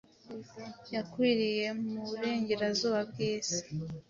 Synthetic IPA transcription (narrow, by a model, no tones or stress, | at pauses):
jakwiːɾije̞muβuɾe̞ːɲɟe̞ɾazuːβabɡiːsi̥